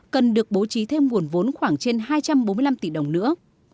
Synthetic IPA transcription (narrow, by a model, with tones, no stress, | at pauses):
kə˨˩nɗɨ˨˩ək̚ɓo˨˦t͡ɕi˨˦t̪ʰe˧mŋu˨˩ənvo˨˦nxwaː˧˩ŋt͡ɕe˧nɦaː˧jt͡ɕa˧mɓo˨˦nɨ˧jla˧mt̪i˧˩ɗə˨˩wŋ͡mnɨ̰˧˥ə